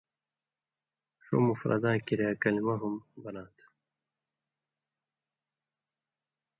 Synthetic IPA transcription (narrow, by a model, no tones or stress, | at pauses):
ʂo̰mufɾa̰d̪ãːkiɾjaːkɐlimaɦumbɐnãːt̪ʰ